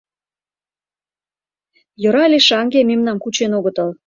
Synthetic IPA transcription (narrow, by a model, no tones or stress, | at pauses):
jŏɾɑlʲeʃɑŋɡememnɑmkut͡ɕenoɣə̆t̪ɤ̆l